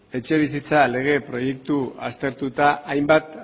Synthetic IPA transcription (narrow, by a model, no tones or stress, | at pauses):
e̞t͡ʃe̞β̞isit͡sale̞ɣ̞e̞pɾo̞je̞k̚t̪ua̰st̪e̞ɾt̪ut̪aʔːjmbat̪